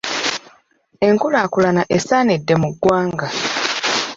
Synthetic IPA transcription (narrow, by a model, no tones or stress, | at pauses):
e̞ŋkulaːkulanaʔesaːnedːe̞muɡːwaːŋɡa